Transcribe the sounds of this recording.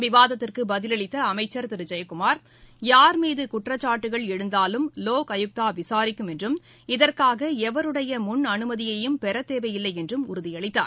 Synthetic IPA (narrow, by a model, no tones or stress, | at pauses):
ʋɪʋaːðɐt̪ːɪrkɯbɐðɪlɐɭɪt̪ːɐɐmɐɪt͡ʃːɐɾt̪ɪɾɯd͡ʒɐjkʊmaːɾ | jaːɾmiːðɯkʊʈrɐt͡ʃːaːʈːɯɣɐɭɛɽɯnd̪aːlɯmloːkɐjɯk̚t̪aːʋɪsaːɾɪkːɯmɛndrɯm | ɪðɐrkaːɣɐɛʋɐɾɯɽɐjɐmʊnɐnɯmɐðɪjɐjɯmpɛɾɐt̪ːeːʋɐjɪlːɐɪɛndrɯmʊɾʊðɪjɐɭɪt̪ːa̰ːɾ